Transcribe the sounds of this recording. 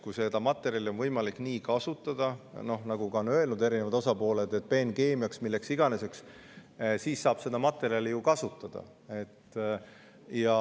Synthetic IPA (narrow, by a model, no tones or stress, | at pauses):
kujse̞d̪̥ɑmɑt̪ːˑe̞ɾjɑlio̞nvɤjmɑlikːˑniːkɑsut̪ːˑɑd̪̥ɑno̞hnɑɡ̥uɡɑonø̞e̞lnud̪e̞ɾine̞vɑd̪o̞sɑpo̞ːle̞d̪e̞t̪̚ːpe̞ːnke̞ːmiɑksmilːe̞ksiɡ̥ɑne̞se̞ks | siːssɑːb̥se̞d̪̥ɑmɑt̪ːˑe̞ɾiɑlijukɑsut̪ːˑɑd̪̥ɑ̰ | e̞t̪ː | jɑ